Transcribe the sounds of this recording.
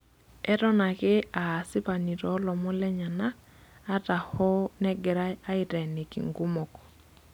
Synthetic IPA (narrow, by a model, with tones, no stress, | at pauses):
ɛ˦ɾɔ˦na˨kɪ˦a˨sɪ˦pa˨ni˨ɾɔ˨˦lɔ˨mɔ˦lɛ˦ɲa˨naː˦ | ta˨hɔ˦nɛ˦ɡɛ˨ɾa˦a˦ɪ˦tɛ˨ni˨kḭ˨ŋɡu˦mɔ˨kɔ̥˨